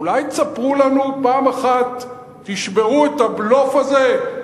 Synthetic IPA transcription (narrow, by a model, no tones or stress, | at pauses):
ulajt͡sapʁulanupaːmaχat̪ː | iʃbe̞ʁuet̪ablofaze̞